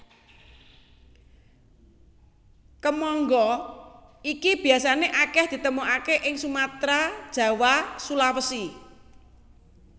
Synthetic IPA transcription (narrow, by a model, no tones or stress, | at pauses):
kəmɔŋɡɔ | ikib̥i̤jasaneʔakɛhd̪̥i̤t̪əmuʔakeʔɪŋsumat̪ɾad̥ʒ̥a̤wasulawəsi